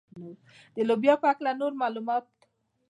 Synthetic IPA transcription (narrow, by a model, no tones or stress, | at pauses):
nu | d̪elobijapaklanuɾmalumat̪